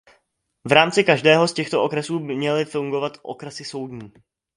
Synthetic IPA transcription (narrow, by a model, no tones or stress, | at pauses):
vɾaːmt͡sɪkaʒdɛːɦo̞scɛxt̪oʔo̞kɾɛsuːbɪmɲɛlɪfuŋɡo̞vat̪ʔo̞̰kɾɛsɪso̞wdɲiː